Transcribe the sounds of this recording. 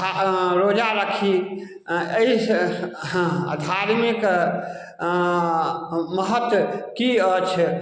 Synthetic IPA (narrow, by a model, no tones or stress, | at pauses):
ɾod͡ʒaɾəkʰi | eis | d̪ʱaɾmik | məɦət̪əkiət͡ʃʰ